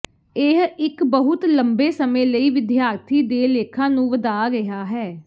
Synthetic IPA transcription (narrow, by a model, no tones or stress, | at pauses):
ɪɦɪkbəɦʊt̪ləmbeːsəmẽːləiːʋɪd̪jaːɾt̪ʰiːd̪eːleːkʰãːnũːʋəd̪aːɾɪɦaːɦɛː